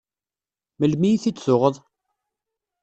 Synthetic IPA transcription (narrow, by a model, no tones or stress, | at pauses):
məlmijiθit͡sːsʊʁəðˤ